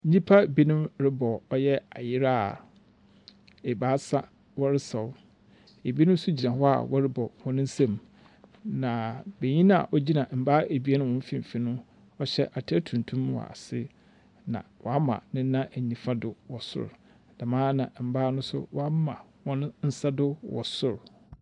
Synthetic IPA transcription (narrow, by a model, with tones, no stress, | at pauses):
n̩˦ɲĩ˦pʰa˦bi˦nʊ̃˦mɾɪ˦bɔ˨ɔ˦jɛ˦a̰˨jɪ˦ɾa˦˨ | e˨baː˦sa˦ | wɔ˦ɾɪ˦sa˨ʊ˦ | e˨bi˦nʊ̃˦sʊ˦d͡ʑi˨nã˨hɔ˦a̰˨wɔ˦ɾɪ˦bɔ˨hɔ̃˦nʊ̃˦n̩˦sã˦˨m | nã˨be˨ɲĩ˦nã˦a̰˨ʔɔ˦d͡ʑi˦nã˨m̩˨baː˦e˨bi˦e˦nʊ̃˦wɔ̃˦fĩ˦m˨fi˨nʊ̃˦ | ɔ˦ɕɛ̰˦ʔa˨tʰɪ˦æ˦tʰũ˨n˨tʰũ˦m˦wɔ̰˨a̰˨sɪ˦ | nã̰˨wɔ˨a˦mã̰˨nɪ̃˦n̩˦nã˦ʔæ˨ɲĩ˨fa˦dʊ˨wɔ˨sʊ̰˦˨ɾ | d̥a˨mãː˦nã̰˨m̩˨baː˦nʊ̃˦sʊ̰˦wa˦mã̰˨ | wɔ̃˦n˦n̩˦sa˦dʊ˦wɔ̰˨sʊ˦ɾ